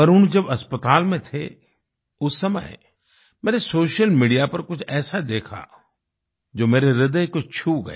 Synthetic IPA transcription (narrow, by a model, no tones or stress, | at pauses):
ɐɾʊnd͡ʒɐbɐspət̪aːlmẽt̪ʰḛ | ʊsːɐmə̰ɦ | meːɾesoːʃjəlmiːɖijapɐɾkʊd͡ʒʰʱɛːsad̪eːkʰa̰ | d͡ʒoːmeːɾeɾɪd̪əjkʊt͡ʃʰt͡ʃʰuɡɐ̰ḛː